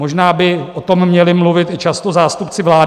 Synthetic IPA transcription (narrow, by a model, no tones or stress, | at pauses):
oʒnaːbɪot̪omːɲɛlɪmluvɪt̪ɪt͡ʃast̪ozaːst̪upt͡sɪvlaː